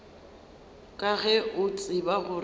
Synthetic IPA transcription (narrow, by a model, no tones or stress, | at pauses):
kʼaɣɛʊt͡sʼɪbaɣʊr